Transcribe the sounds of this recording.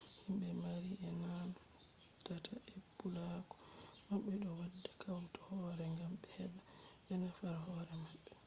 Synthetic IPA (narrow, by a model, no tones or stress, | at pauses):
himɓɛmaɾiɛnanɔ | tatʰaʔebulakɔ̥ | maɓːɛɗɔwadːakʰawtɔ̥hɔɾɛŋɡamɓɛɓa | ɓɛnafaɾaɦɔɾɛmaɓːɛ